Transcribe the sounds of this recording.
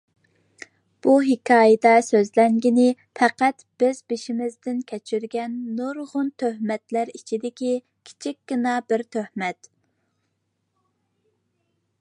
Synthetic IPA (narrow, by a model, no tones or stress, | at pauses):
b̥uɦɪkʲʰɑːjɪd̪ɑsøzlɛŋɡʲinɪ | fʰɛqæt̪b̥ɪzbɪʃimɪzd̪ɪnkʲʰɛt͡ʃʰyɾɡʲɛnːoɾʁʊnt̪ʰøhmɛt̪læɾit͡ʃʰid̪ɪkʲi | kʲʰi̥t͡ʃʰikʲɡɪnɑbɪɾt̪ʰøhmɛt̪